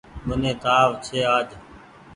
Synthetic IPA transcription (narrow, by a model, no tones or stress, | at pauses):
ɓənẽːt̪aːʋt͡ʃʰeːaːd͡ʒ